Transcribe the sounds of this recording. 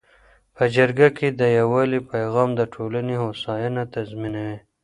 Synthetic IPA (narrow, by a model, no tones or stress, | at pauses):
pəd͡ʒaɾɡakʰed̪əjawɑlipajɣɑːmd̪əʈʰolaneɦosɑjɑnat̪azminawe